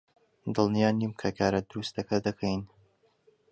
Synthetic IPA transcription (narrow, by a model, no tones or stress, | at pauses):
d̪ɨlˠnijaːnimkʰɐkʰaːɾɐd̪uɾust̪ɐkʰɐd̪ɐkʰɛjn